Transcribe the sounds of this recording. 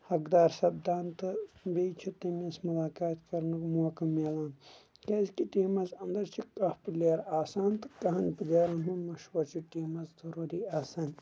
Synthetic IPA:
hɐkd̪aːɾsɐb̚d̪aːnt̪ɨbejt͡ʃʰut̪ɐmesmulaːkaːt̪kɐɾnukmoːkɐmeːlaːn | kɐzkiʈiːmɐzɐnd̪ɐɾt͡ʃʰikɐpleːɾaːsaːnt̪ɨ̥kɐɦɐnpɨd̪eːɾɐnɦumɐʃʋɐɾt͡ʃʰuʈiːmɐzzɐɾuːɾiaːsaːn

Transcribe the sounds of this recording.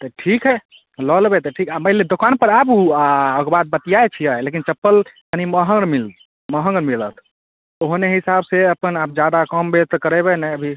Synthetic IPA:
t̪ɔʈʰikɦɛ | ləlbet̪ɔʈʰikaməɦled̪okanpəɾabuaəɡbat̪̚bət̪ijaet͡ʃʰijəɦelek̬int͡ʃəpːəlk̪əniməɦəŋɡɾmil | məɦə̃ŋɡɾmilət̪ʰ | oɦneɦisabseəpənap̚d͡ʒjad̪akəmbet̪ɔkəɾɛbɛnɛəbʱi

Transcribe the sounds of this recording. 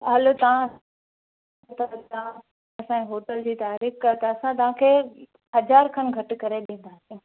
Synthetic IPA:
ɦɐlot̪ɐʋã | t̪at̪ɐã | ɐsãeɦoːʈəld͡ʑiːt̪aːɾiːxkat̪ɐɐsãt̪̬ɐʋ̤ãkʰeː | ɦɐzaːɾkʰɐnɡʱɐʈɪ̆kɐɾeɗẽːn̆d̪asijũ

